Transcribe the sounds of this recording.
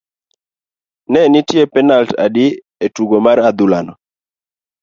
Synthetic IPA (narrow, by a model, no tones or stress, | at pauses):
nɛnitjepɛnalta̰dɪ | etuɡomaɾad̪ulanɔ